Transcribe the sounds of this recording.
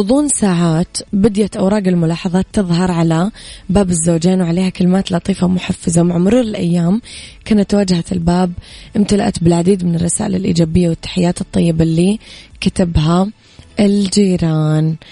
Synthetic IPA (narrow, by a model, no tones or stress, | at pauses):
ʊðˤuːnsaːʕaːt̪bɪd̪jat̪ʔawɾˤɑːɡɪlmʊlɑːħɑðˤɑːt̪ːɨðˤɦɑɾˤʕalabaːbɪzːoːd͡ʒeːnwʕaleːhakalmaːt̪lɑt̪ˤiːfamʊħafːɪzawmaʕʊmɾuːlɪlʔa̰jːaːmkaːnat̪wad͡ʒhat̪ɪlbaːb̚ʔɪmt̪alaʔa̰t̪bɪlʕad̪iːd̪mɪnɪrˤːɑsa̰ːʔɪlɪlʔḭːd͡ʒaːbɪjːawɪt̪ːḁħɪjːaːt̪ɨt̪ˤːɑjːɪbalːiːkat̪abɦa | ʔɪld͡ʒiːɾaːn